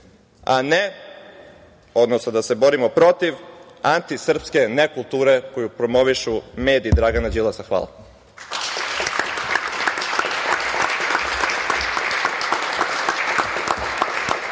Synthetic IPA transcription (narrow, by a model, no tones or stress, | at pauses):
a̰ne | o̞d̪nosnad̪ase̞bo̞ɾimo̞pɾo̞t̪iʋ | ant̪isr̩pske̞nekulˠt̪uːɾeko̞jupɾo̞mo̞ʋiʃume̞ːd̪iːd̪ɾaɡanad͡ʑilˠasaxʋa̰ːla̰